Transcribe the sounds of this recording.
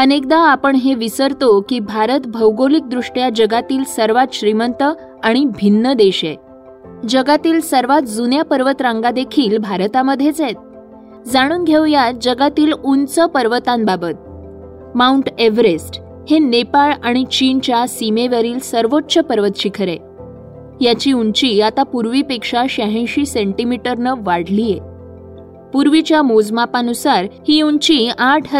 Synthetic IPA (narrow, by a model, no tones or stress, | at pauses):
ənek̚d̪aːpəɳɦeʋisəɾt̪okiːbʱaɾət̪bʱəwɡolik̚d̪ɾuʂʈjad͡ʑəɡat̪iːlsəɾʋat̪ɕɾimənt̪ə | aɽ̃ibʱinːəd̪eɕe | d͡ʑəɡat̪iːlsəɾʋat̪̚d͡zunjapəɾʋət̪ɾãŋɡad̪ekʰiːlbʱaɾt̪aməd̪ʱːjet͡set̪̚ | d͡zaɽ̃uːnɡʱjewjad͡ʑəɡat̪iːlunt͡səpəɾʋət̪ãnbabət̪̚ | mauɳʈeʋɾesʈ | henepaɭaɽ̃it͡ɕint͡ɕjasimeʋəɾiːlsəɾʋotːɕəpəɾʋət̪ɕikʰəɾẽ | jat͡ɕiːuɲt͡ɕiːat̪apuɾʋipekʂaɕaɦẽɕiːseɳʈimiʈəɾnəʋaɽ̤lije | puɾʋit͡ɕjamod͡zmapanusaɾhiːuɲt͡ɕiaʈʰɦə